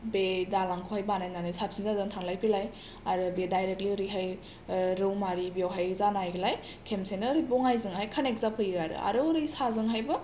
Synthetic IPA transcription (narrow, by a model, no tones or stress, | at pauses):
bedalaŋkʰohajbanajnanɯjsap̚sinzazɯŋtʰaŋlajpʰilaj | aɾɯbedajɾektliɾiɦaj | ɾɯwmaɾibewɦajzanajɡilaj | kʰemsenɯɾɯbɔŋajzɯŋhajkʰanek̚zapʰɯjɯaɾɯ̰a̰ɾɯɾɯjsazɯŋɦajbɯ